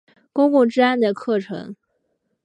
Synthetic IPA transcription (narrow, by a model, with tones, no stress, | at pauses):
kʊ˥ŋkʊ˥˩ŋʈ͡ʂɻ̩˥a˥nd̪ə˨kʰɤ˥˩ʈ͡ʂʰɤ̰˧˥ŋ